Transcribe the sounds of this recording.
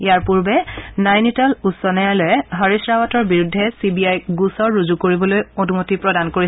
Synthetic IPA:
ijaɹpuɹbɛnajnitalusɔnɛjalɔjɛɦaɹisɹawatɔɹbiɹudʱːɛsibiajɡusɔɹːuzukoɹibɔlojonumotipɹɔdankoɹi

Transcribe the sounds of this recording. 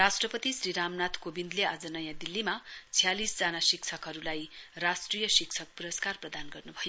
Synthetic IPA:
rasʈrʌpʌt̪isriɾamnat̪ʰkobind̪lead͡zʌnʌjãd̪ilːimat͡sʰijalisd͡zanasiksʰʌkɦʌɾulajrasʈrijʌsiksʰʌk̚puɾʌskarprʌd̪anɡʌrnubʱʌjo

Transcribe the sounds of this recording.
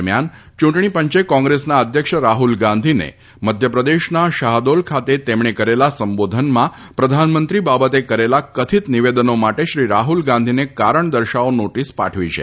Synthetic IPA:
mjan | t͡ʃũɳʈɳ̃ipəɲt͡ʃekɔ̃ŋɡɾesnaəd̪ʱjəkʂəɾaɦulɡãnd̪ʱinḛ | məd̪ʱjəpɾəd̪eʃnaʃaɦd̪olkʰat̪et̪emɳekəɾelasəmbod̪ʱənmã | pɾəd̪ʱanmənt̪ɾibabət̪ekəɾelakət̪ʰit̪niʋed̪ənomaʈeʃɾiɾaɦulɡãnd̪ʱinekaɾəɳd̪əɾʃaonoʈispa̰ʈʰʋit͡ʃʰḛ

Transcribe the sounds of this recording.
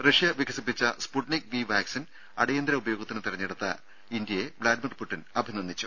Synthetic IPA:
rɐʂijɐʋikʰːɐsipːit͡ɕːɐspuʈnik̚ʋiʋaːksin | ɐ̰ɽɐjend̪ɾɐubɐjo̞ːɡɐt̪ːinɨt̪irɐɲːeɽut̪ːɐ̰ | ind̪jɐjeblaːdmɐrpuʈːinɐbʱininːit͡ɕːu

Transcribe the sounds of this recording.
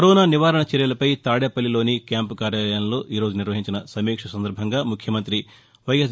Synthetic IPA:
ɐɾɔːnaːniʋaːɾɐɳɐt͡ʃɛɾjɐlɐpɐjt̪aːɽjɐpɐlːilo̞ːnikjaːmpukaːɾjaːlɐjɐmlo̞ːʔiːɾoːd͡ʒuniɾʋɐɦiɲt͡ʃinɐsɐmiːkʂɐsɐnd̪ɐɾbʱɐŋɡaːmukʰjɐmɐnt̪ɾi | ʋɐjɐs

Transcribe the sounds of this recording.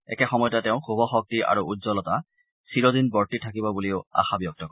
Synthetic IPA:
ɛ̰kɛxɔmɔjtatɛʊ̃xubʱɔxɔk̚tiʔa̰ɹuudzɔlɔta | siɹɔdinbɔɹtitʰakibɔbuliʊa̰xabjɔk̚tɔkɔ

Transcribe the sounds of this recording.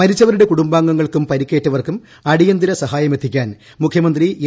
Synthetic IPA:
ɐɾit͡ɕːɐʋɐɾuɽe̞kuɽumbaːŋɡɐŋːɐɭkumpɐɾikʲːeːʈːɐʋɐrkum | ɐɽijɐnd̪iɾɐsɐɦaːjɐmet̪ʰːikʲːaːn | mukʰjɐmɐnd̪rie

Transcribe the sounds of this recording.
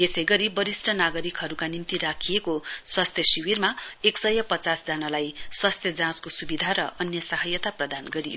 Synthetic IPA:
j̪esʌjɡʌɾibʌɾisʈʰʌnaɡʌɾikɦʌɾukanimt̪iɾakʰijekoswast̪ʰjʌsiwirmaeksʌjʌpʌt͡sasd͡zanalajswast̪ʰjʌd͡zãskosubid̪ʱaɾʌʔʌnjʌsʌɦʌjʌt̪aprʌd̪anɡʌɾijo

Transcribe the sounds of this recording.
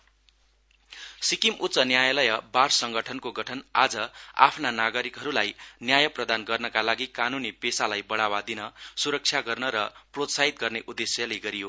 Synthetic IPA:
sikimʔut̪sʌnjajʌlʌjʌbarsʌŋɡʌʈʰʌnkoɡʌʈʰʌna̰d͡zʌa̰pʰnanaɡʌɾikɦʌɾulajnjajʌprʌd̪anɡʌrnʌkalaɡikanunipesalajbʌɽawad̪inʌsuɾʌk̚t͡sʰjaɡʌrnʌɾʌprot̪saɦit̪̚ɡʌrneʔud̪ːesjʌleɡʌɾijo

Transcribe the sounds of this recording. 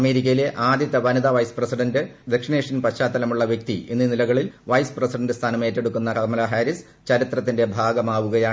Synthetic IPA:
ɐme̞ːɾik̬ʲːɐjile̞ʔaːd̪ʱjɐt̪ːɐʋɐnɐd̪ɐʋɐjsprɐsiɖɐndɨd̪ekʂineːʂɐnpɐɕaːt̪ːɐlɐmuɭːɐʋjek̚t̪iʔenːinilɐɣɐɭilʋɐjsprɐsiɖɐndɨst̪ʰaːnɐme̞ːtːe̞ɽukːunːɐkɐɐmɐlɐɦaɾis | t͡ɕɐɾit̪rɐt̪ːindebʱaːɡɐmaːʋuɣɐjaːɳ

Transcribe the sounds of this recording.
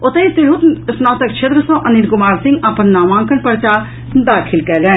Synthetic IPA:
ʊt̪ɐisɪɾɦut̪snaːt̪ɐk̚t͡ʃʰet̪ɾəsõʔɐninkʊmaːɾsɪ̃ŋɡɐpənːaːmãːŋkənpɐɾt͡ʃaː | d̪aːkʰɪlkɛlɛ̃

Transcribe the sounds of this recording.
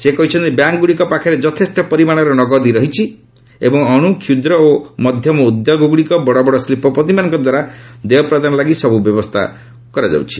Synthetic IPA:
sekɔɦit͡ʃʰɔnt̪ibjaŋkɡuɽikɔpakʰaɾed͡ʒɔt̪ʰesʈɔpɔɾimaɽ̃ɔɾɔnɔɡɔd̪iɾɔɦit͡ʃʰi | ḛbɔŋɔɽ̃ukʰjud̪ɾɔomɔd̪ʱjɔmɔud̪ʱjɔɡɔɡuɽikɔbɔɽɔbɔɽɔslipʰɔpɔt̪̬imanɔŋkɔd̪waɾad̪ejɔpɾad̪anɔlaɡisɔbubjɔbɔst̪ʰa̰ | kɔɾad͡ʒa̰wt͡ʃʰi̥

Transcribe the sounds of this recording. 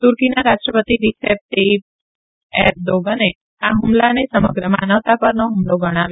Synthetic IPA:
t̪uɾkinaɾaʃʈɾəpət̪iɾisep̚ʈeb̚ | eɾd̪oɡane | aɦʊmlanesəməɡɾəma̰nəʋt̪apəɾnoɦumloɡəɽ̃aʋjo

